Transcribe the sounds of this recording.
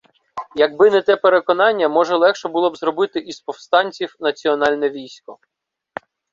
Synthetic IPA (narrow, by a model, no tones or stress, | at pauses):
jɐɡ̚bɪnɛt̪ɛpeɾekɔnɑnʲːɐmɔʒɛlˠɛxʃɛbulˠɔbzɾɔbɪt̪ɪʔispɔwst̪ɑnʲt͡sʲiwnɐt͡sʲiɔnɑlʲnɛʋʲijsʲkɔ